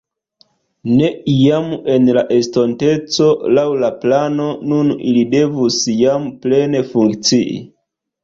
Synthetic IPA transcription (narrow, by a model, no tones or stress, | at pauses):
ne̞ijame̞nlaʔe̞sto̞nte̞t͡so̞lawlaplano̞nunḭlide̞vusjample̞ne̞fuŋkt͡siʔḭ